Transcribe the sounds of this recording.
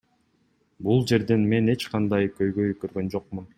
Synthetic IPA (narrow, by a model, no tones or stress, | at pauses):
bulˠd͡ʒe̞ɾd̪enme̞ne̞t͡ʃqɑnd̪ɑjkø̞jɡø̞jkøɾɡø̞nd͡ʒo̞q̚mun